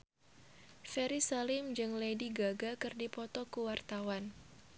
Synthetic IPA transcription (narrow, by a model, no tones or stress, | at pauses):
fɛɾisalɪmd͡ʒɨŋlediɡaɡakɨrdipɔt̪ɔkuwart̪awan